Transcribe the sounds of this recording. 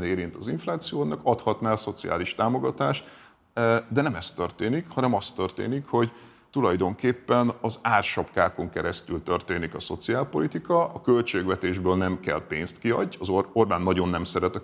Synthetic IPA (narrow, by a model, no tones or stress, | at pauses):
neːɾint̪ɒziɱflaːt̪sijoːnɒkɒt̪hɒt̪naːlso̞t̪sia̰ːliʃt̪aːmo̞ɡɒt̪aːʃt̪ | d̪ɛnɛmɛst̪ørt̪eːnikhɒnɛmɒst̪ø̞rt̪ḛːnikho̞ɟ | t̪ulɒjd̪o̞ŋkeːpːɛnɒzaːrʃɒpkaːko̞ŋkɛɾɛst̪ylt̪ø̞rt̪eːnikɒso̞t̪siaːlpo̞lit̪ikɒɒkø̞lt͡ʃeːɡvɛt̪eːʒbøːlnɛmkɛ̰lpeːnst̪kiɒ̰ɟːɒzoo̞rbaːnːɒɟo̞nːɛmsɛɾɛt̪ɒ